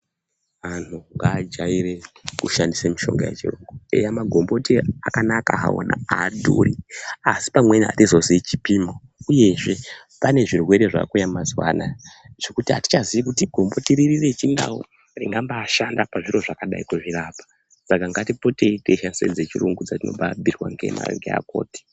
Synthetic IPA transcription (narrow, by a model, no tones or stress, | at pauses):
antʰuŋɡaːd͡ʒaiɾe̞kuʃandisemiʃo̞̰ŋɡa̰jḛt͡ʃirṵŋɡue̞̰jamaɡʱo̞mbo̞tiakanaka̰ɦa̰o̰na̰aːdʱo̰riasi̥pamwe̞niɦa̰tizoziit͡ʃipiːmo | uje̞ʐe̞ | pane̞ʐirwe̞ɾe̞ʐa̰kujamumazwa̰naʐ̥e̞kutiɦati̥t͡ʃaziikutiɡʱo̞mbo̞tiɾiriret͡ʃinda̰wo̰ | riŋɡambaːʃandapaʐiɾo̞ʐakaɗa̰ikuʐiɾapḁ | sakaŋɡatipo̞te̞iteʃansḛd͡zet͡ʃiruŋɡud͡zatino̞̰babʱirwa̰ŋɡe̞̰ma̰eŋɡea̰ko̰ːti̥